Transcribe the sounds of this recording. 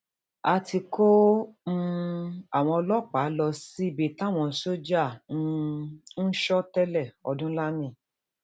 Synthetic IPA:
a˧tʰi˧ko˦m̩˦a˦˨w̃ɔ̃˧ɔ˧lɔ˦˨k͡pa˨˦lɔ˧si˦i˦˨be˨ta˦˨w̃ɔ̃˧˨so˦d͡ʒa˦˨˧n̩˦ʃɔ˦tɛ˦lɛ˦˨ɔ̰˧dũ˦la˦nĩ˦˨

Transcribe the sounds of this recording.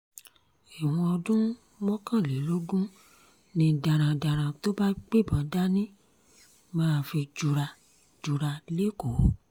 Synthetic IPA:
ɛ˨w̃ɔ̃˧ɔ˧dũ˦ | mɔ̃˦kã˦˨le˨˦lo˦ɡũ˦ | nĩ˧da˨ɾ̃ã˨da˨ɾ̃ã˨to˦ba˦k͡pe˦˨bã˨da˦nĩ˦ | mãː˦˧fi˧d͡ʒu˧ɾa˧ | d͡ʒu˧ɾa˧le˦ko˨˦

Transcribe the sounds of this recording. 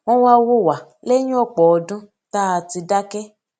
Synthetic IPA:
w̃ɔ̃˦wa˦˧wo˦˨wa˨le˦j̃ũ˦ɔ˦˨k͡pɔ˨ɔ˧dũ˦ | ta˦a˧ti˧da˦kɛ˦

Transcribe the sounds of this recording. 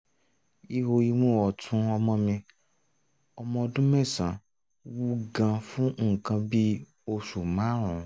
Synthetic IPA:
i˦ɦo˧i˧mũ˦˨wɔ˨tʰũ˦ɔ˧mɔ̃˧mĩ˧ | ɔ˧mɔ̃˧dũ˦mɛ̃˦˨sã˨ | wu˦ɡã˧fũ˦ŋ̩˨kã˧bi˦ | o˧su˨mã˨˦ɾ̃ũ˨

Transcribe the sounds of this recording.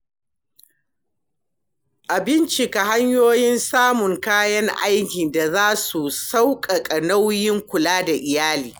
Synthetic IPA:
ʔa˨bɪ˦nt͡ʃi˨ka˨ɦa˦ɲjoː˦jɪ˦nsaː˦mʊ˨ŋkaː˦jɐ˦ŋʔa̰˦jkʲi˨nda˨zaː˦su˨sa˦wkʼa˨kʼɐ˨na˦wjɪ˦ŋkʷʊ˨laː˦da˨ʔɪ˨jaː˦liː˨

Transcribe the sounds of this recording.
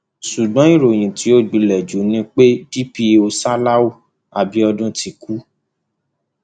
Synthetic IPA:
su˨ɡ͡bɔ̃˨˦i˦˨ɾo˨j̃ĩ˨ti˨˦o˦˨ɡ͡bi˨˧lɛ˨d͡ʒu˨˦nĩ˧˦k͡pe˦di˦pi˧o˧sa˦la˦wo˦ | a˨bi˧˦ɔ˧dũ˦ti˧ku˦

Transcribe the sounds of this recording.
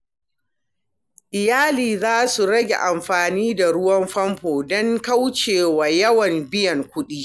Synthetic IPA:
ʔɪ˨jaː˦liː˨zaː˦su˨ɽɐ˦ɡʲḛ˨ʔa˨mɸaː˨niː˦da˨ɽʊ˦wɐ˦mɸɐ˦mɸoː˨dɔ˦ŋka˦wt͡ʃeː˨wa˨jɐ˦wɐ˨mbɪ˦jɐ˨ŋkʷʊ˦ɗiː˦

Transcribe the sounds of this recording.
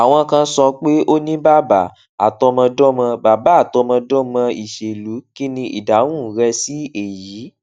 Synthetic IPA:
a˨w̃ɔ̃˧kã˧˦sɔ˧k͡pe˦ʔo˦nĩ˦ba˦ba˨ | a̰˨tɔ˧mã˧dɔ̃˦mã˧ba˨ba˨˦a˦˨tɔ˧mã˧dɔ̃˦mã˧i˨ʃe˨lu˨˦ki˦nĩ˧ʔḭ˨da˨˦wũ˦˨˦ɾɛ˧si˦e˦˨jiː˨˦

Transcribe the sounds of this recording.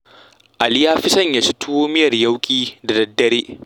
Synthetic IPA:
ʔa˨lɪ˦jaː˦ɸɪ˦sɐ˦˨ɲja˨sɪ˦tʰʊ˦woː˦mɪ˦jɐ˨rjɐ˦wkʲʼiː˦da˨dɐ˨dːɐ˦ɾeː˦

